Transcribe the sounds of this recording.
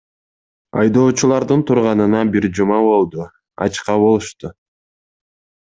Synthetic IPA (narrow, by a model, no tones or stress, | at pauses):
ɑ̰jd̪o̞ːt͡ʃulˠɑɾd̪ɯnt̪ʰuɾʁɑnɯnɑbiɾd͡ʒumɑbo̞lˠd̪u | ɑ̰t͡ʃqɑβo̞lˠuʃt̪u